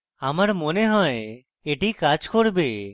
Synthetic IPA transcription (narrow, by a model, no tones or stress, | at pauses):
amaɾmɔneɦɔ̃e | eʈikat͡ʃkɔɽbe